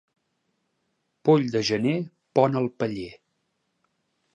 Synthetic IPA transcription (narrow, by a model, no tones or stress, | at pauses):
poʎd̪əʒəne | pɔnəlˠpəʎe